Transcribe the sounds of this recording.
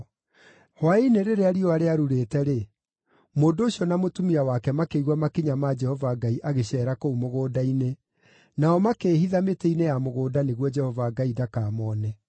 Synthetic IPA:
hwaineɾeɾeaɾiɔaɾeaɾuɾeːtɛɾe | moːndoːɕiɔnamotumiawakɛmakeiɣwamakiɲamad͡ʒɛhɔvaɡaiʔaɣeɕɛːɾakoumoɣoːdaine | naɔmakeːhiðameteinejamoɣoːdaneɣwɔd͡ʒɛhɔvaɡaidakaːmɔnɛ

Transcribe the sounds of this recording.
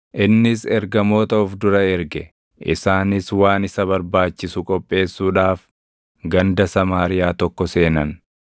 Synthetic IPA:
ʔɪnːɪsɛɾɡɐmo̞ːt̪ɐʊfd̪ʊɾɐɛɾɡɛ | ʔɪsaːnɪswaːnɪsɐβɐɾbaːt͡ʃːɪsʊkʼɔpʼːe̞ːsːuːᶑaːf | ɡɐnd̪ɐsɐmaːɾɪjaːt̪ɔkːɔse̞ːnɐn

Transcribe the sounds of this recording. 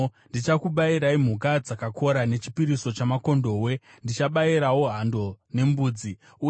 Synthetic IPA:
ndit͡ʃakuɓaiɾaim̤ukad͡zakakʰo̞ɾane̞t͡ʃi̥piɾiso̞t͡ʃamako̞ndo̞we̞ | ndit͡ʃaɓaiɾawo̞ɦando̞ne̞mbuːd͡zi | u

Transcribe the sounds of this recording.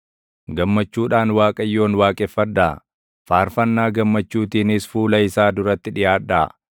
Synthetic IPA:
ɡɐmːɐt͡ʃːuːᶑaːnwaːkʼɐjːo̞ːnwaːkʼɛfːɐd̪ːa | faːɾfɐnːaːɡɐmːɐt͡ʃːuːt̪iːnɪsfuːlɐɪsaːd̪ʊɾɐt̪ːɪᶑɪjaːᶑːaː

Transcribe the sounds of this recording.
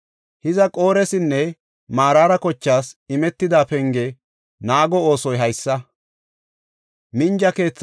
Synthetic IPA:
hɪzɐkʼo̞ːɾɛsɪnːɛ | maːɾaːɾɐkɔt͡ʃːaːsɪmɛt̪ːɪd̪aːpɛŋɡɛ | naːɡɔoːsɔjɦɐjsːɐ | mɪnd͡ʒɐke̞ːt͡sː

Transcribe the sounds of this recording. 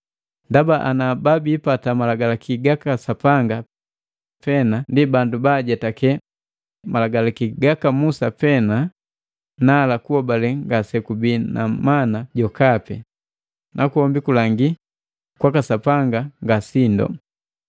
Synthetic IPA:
ndabaʔanababiːpatamalaɡalakʰiɡakasapaŋɡa | pɛnandibandubaɟɛtakɛ | malaɡalakiɡakamusapɛna | nalakuɔbalɛŋɡasɛkubina̰manaɟɔkapɛ̰ | nʔakuhɔmbikulaŋɡi | kwakasapaŋɡaŋɡasindɔ̰

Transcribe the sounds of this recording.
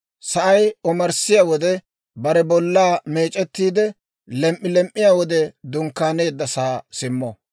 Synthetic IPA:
sɐʔɐjɔmɐɾsɪjaːwɔd̪ɛ | bɐɾɛbɔlːaːmeːt͡ʃʼːɛt̪ːiːd̪ɛ | lɛmʔːɪlɛmʔːɪjaːwɔd̪ɛd̪ʊŋkːaːne̞ːd̪ːɐsaːsɪmːɔ

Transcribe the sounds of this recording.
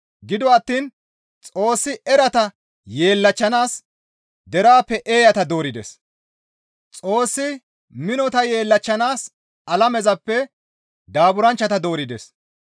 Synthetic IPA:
ɡɪd̪ɔɐt̪ːiːn | t͡sʼo̞ːsːɪɛɾɐt̪ɐ | je̞ːlːɐt͡ʃːɐnaːs | d̪ɛɾaːpːɛʔe̞ːjɐt̪ɐd̪o̞ːɾɪd̪ɛ̰s | t͡sʼo̞ːsːɪ | mɪnɔt̪ɐje̞ːlːɐt͡ʃːɐnaːs | ɐlɐmɛzɐpːɛ | d̪aːbʊɾɐnt͡ʃːɐt̪ɐd̪o̞ːɾɪd̪ɛ̰s

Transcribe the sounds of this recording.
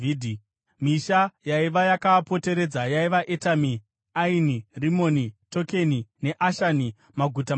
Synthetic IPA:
idʱi | miʃajaiʋajakapo̞te̞ɾe̞d͡zajaiʋaʔetami | ainirimo̞nito̞ke̞nine̞ʔaʃani | maɡʱuta

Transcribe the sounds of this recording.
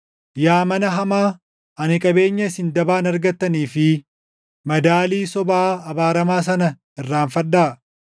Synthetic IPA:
jaːmɐnɐɦɐmaː | ɐnɪkʼɐbe̞ːɲːɐsɪnd̪ɐbaːnɐɾɡɐt̪ːɐniːfɪ | mɐd̪aːliːsɔbaːɐbaːɾɐmaːs̬ɐnɐ | ɪrːaːnfɐᶑaː

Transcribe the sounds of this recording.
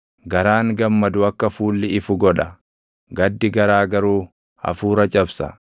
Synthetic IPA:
ɡɐɾaːŋɡɐmːɐd̪ʊɐkːɐfuːlːɪɪfʊɡɔᶑɐ | ɡɐd̪ːɪɡɐɾaːɡɐɾuː | hɐ̰fuːɾɐt͡ʃʼɐbsɐ̰

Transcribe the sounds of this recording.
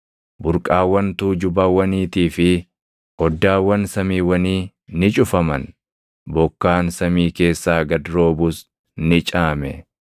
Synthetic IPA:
bʊɾkʼaːwːɐnt̪uːd͡ʒʊbaːwːɐniːt̪iːfɪ | ɔd̪ːaːwːɐnsɐmiːwɐniː | nɪt͡ʃʼʊfɐmɐn | bɔkːaːnsɐmiːke̞ːsːaːɡɐd̪ɾo̞ːbʊs | nɪt͡ʃʼaːmɛ̰

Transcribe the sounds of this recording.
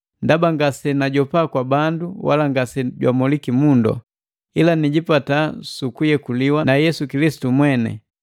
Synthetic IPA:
ndabaŋɡasɛnaɟɔpaːkwabanduwa̰laŋɡasɛɟwa̰mɔlikimundɔ̰ | ilaniɟipatasukujɛkuliwanajɛsukilisi̥tumwɛnɛ̰

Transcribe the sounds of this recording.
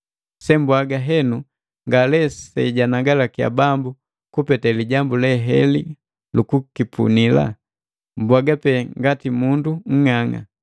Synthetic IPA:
sɛmbwaɡaɦɛnu | ŋɡalɛsɛiɟanaɡalakija̰bambu | kupɛtaliɟambulɛɦɛli | lukukipʰṵnila̰ | mbwaɡapɛŋɡatimunduŋ̩ŋaŋa̰

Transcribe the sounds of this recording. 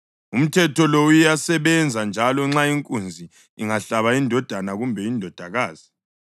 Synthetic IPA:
um̩tʰɛtʰɔloujjasɛβɛnd͡zʱand͡ʒʱalɔŋ͡ǁaiŋkʼund͡zʱi | iŋaɬaβaindʱɔd̥ʱanaɣumbʱɛindʱɔd̥ʱaɣaːz̥i

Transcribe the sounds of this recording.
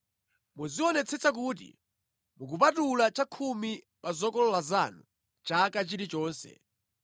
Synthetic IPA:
muziɔnɛt͡sʰɛt͡sak̬uːt̬ḭ | muk̬up̬atulat͡ʃakʰumi | pazɔkɔlɔlazanu | t͡ʃakat͡ʃiɾit͡ʃɔːnsɛ̰

